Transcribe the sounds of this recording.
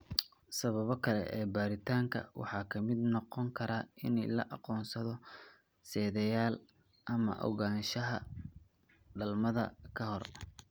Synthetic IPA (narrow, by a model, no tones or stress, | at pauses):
sɐβɐβɔkʰɐlɛ̰ʔɛːbaːɾɪt̪ʰaːŋkʰɐ̰wɑ̰ħɑːkʰɐmɪd̪nɔqɔŋkʰɐɾaːɪ̰nɛjlɐ̰ʔɑqɔːnsɐðɔ | sɛːðɛjaːl | ʔɐmɐ̰ʔɔ̰ɣaːnʃɐɦɐ̰ | ɖɐlmɐðɐ̰kʰɐɦɔr